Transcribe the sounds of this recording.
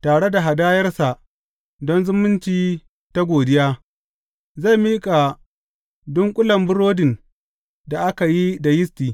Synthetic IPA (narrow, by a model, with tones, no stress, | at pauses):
taː˨ɽe˦da˨ɦa˨daː˦jɐ˦rsa˨ʔ | dɔ˦nzʊ˦mʊ˦nt͡ʃiː˦ | ta˦ɡʷoː˨dɪ˦jaː˦ | za˦˨miː˦kʼa˨ | dɔ˦ŋkʷʼʊ˦lɐ˨mbʊ˦ɾoː˦dɪ˨n | da˨ʔa˦ka˨ji˦da˨jɪ˦stiː˨